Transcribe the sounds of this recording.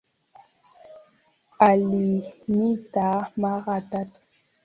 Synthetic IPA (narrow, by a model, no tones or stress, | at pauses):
alimit̪amaʁat̪at̪